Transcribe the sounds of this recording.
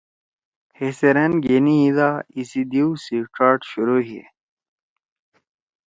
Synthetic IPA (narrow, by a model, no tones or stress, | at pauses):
heseɾenɡeniid̪aisid̪iwsiʈ͡ʂaːʈɕuɾuɦḭ